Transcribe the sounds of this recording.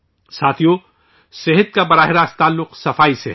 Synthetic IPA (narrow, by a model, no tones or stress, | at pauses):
saːt̪ʰijo | seɦət̪̚kabɐɾaːɦɪɾaːst̪aːlːʊqsɐfaːise